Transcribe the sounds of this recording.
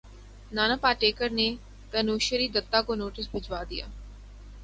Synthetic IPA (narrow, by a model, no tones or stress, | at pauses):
naːnaːpaːʈeːkəɾneː | t̪ənuːʃəɾiːd̪ət̪ːaːkonoːʈɪsbʱət͡ʃʋaːd̪ɪja̰ː